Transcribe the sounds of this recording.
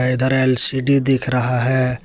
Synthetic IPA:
ɐd̪əɾeːlsiɖid̪ɪkʰɾɐɦaɦɛ

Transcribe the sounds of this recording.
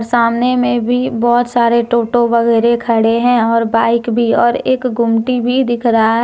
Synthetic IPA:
ɾsaːmnemẽbʱibɔːt̪saːɾeʈoːʈoʋɐɣɛːɾekʰəɽeɦɛ̃ɔːɾbaːɪkbʱiɔːɾeːkɡʊmʈibʱid̪ɪkʰɾəɦaɦ

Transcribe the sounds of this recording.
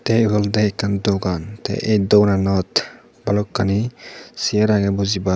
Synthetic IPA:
t̪ɛɡɔldɛɛkːandɔɡantɛ̰ʔḛjdɔwnanɔt̪ | balɔkːanisiɛɾaɡɛbɔziba

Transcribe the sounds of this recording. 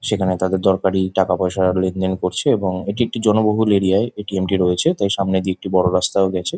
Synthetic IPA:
ʃekʰanet̪ad̪eɾd̪ɔɾkaɾiʈakapɔeʃalend̪enkoɾt͡ɕʰeeboŋeʈiek̚ʈid͡ʑɔnoboɦuleɾiaeeʈiemʈiɾoet͡ɕʰet̪ajʃamned̪ieek̚ʈibɔɽoɾast̪aoɡɛt͡ɕʰe

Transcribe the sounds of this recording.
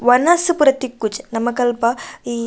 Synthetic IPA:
ʋɐnɐspuɾɐt̪ikːut͡ʃnɐmɐkɐlpɐi

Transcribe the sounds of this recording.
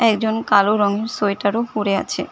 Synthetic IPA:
ɛkd͡ʑonkaloɾɔŋeɾsojʈaɾohuɾea̰t͡ɕʰḛ

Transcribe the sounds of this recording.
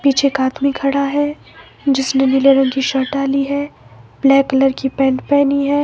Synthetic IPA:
piːt͡ʃʰekaːd̪mikʰɐɽaɦɛ | d͡ʒɪsnenɪleɾõkiʃɐɾʈaːliɦɛːblɛːkːɐləɾkipɛ̃ːɳʈpɛːniɦɛː

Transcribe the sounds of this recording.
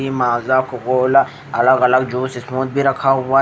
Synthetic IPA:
imaːzakʊkoːla | ɐləɡɐləɡd͡ʒoːsɪsmoːt̪̚bʱiɾɐkʰaɦʊaː

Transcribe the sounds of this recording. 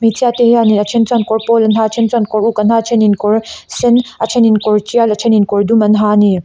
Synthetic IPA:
metʰiatehaniɐt͡ʃʰent͡sankɔɾpɔlɐnɦat͡ʃʰent͡sankɔɾukɐnhat͡ʃʰeninkɔɾsenat͡ʃʰeninkɔɾt͡ʃialɐt͡ʃʰeninkɔɾdumɐnɦani

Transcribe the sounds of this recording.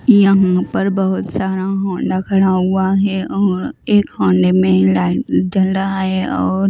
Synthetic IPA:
jɐɦãpɐɾbɐɦʊt̪saːɾaɦɔ̃ːɳɖakʰɐɽaɦuaɦɛʔɔːɾeːkhɔ̃ːɳɖemẽlad͡ʒɐlɾɐɦaɦɛɔːɾ

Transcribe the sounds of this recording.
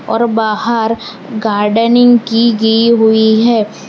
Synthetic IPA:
ɔːɾbaːɦəɾ | ɡaːɾɖənɪ̃ŋɡkiɡɐiɦʊiɦɛː

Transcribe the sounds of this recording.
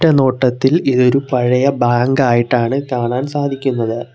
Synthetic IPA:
ʈːɐno̞ːʈːɐt̪ːiliðo̞ɾupɐɻɐjɐbaːŋɡaːjiʈːaːɳɨkaːɳaːnsaːd̪ʱikʲːunːɐðɨ

